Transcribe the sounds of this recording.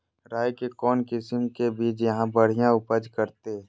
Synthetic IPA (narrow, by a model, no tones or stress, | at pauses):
ɾaːjkekɔːnkɪsəmkebiːt͡ʃjɐɦãbəɽ̤ijãʊpəd͡ʒkəɾt̪e